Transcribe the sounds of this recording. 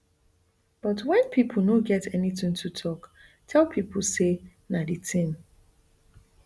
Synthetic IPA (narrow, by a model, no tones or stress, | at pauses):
b̥ɔtwɛ̃npʰipʰl̩noɡɛtɛniθɪ̃ŋtʰutʰɔk | tʰɛlˠpʰipʰl̩ˠse | nadɨtʰĩm